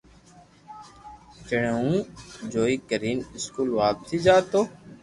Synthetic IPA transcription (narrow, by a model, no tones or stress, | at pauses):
t͡ʃəɳeũːd͡ʒoːiːkəɾiːnɪskuːlʋaːpsʰiːd͡ʒaːt̪oː